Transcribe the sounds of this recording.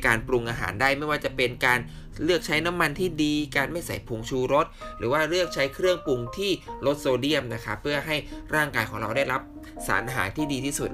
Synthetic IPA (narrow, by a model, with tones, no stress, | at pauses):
kaː˧npɾu˧ŋʔaː˧ɦa̰ː˩˦ndaː˥˩jma˥˩jwaː˥˩t͡ɕa˨˩pe˧nkaː˧n | ɾɯ˥˩ək̚t͡ɕʰa˦˥jna˦˥mːa˧nt̪ʰiː˥˩diː˧kaː˧nma˥˩jsa̰˨˩˦jpʰu˧ŋt͡ɕʰuː˧ɾo˦˥t̪̚ɾɯ̰ː˩˦waː˥˩ɾɯ˥˩ək̚t͡ɕʰa˦˥jkʰɾɯ˥˩əŋpu˧ŋt̪ʰiː˥˩lo˦˥t̪̚soː˧di˥˩əmna˦˥kʰa˦˥pʰːɯ˥˩əɦa˥˩jɾaː˥˩ŋkaː˧jkʰɔː˩˦ŋɾa˧wda˥˩jɾa˦˥p̚ | sa̰ː˩˦nʔaː˧ɦaː˩˦nt̪ʰiː˥˩diː˧t̪ʰiː˥˩su˨˩t̪̚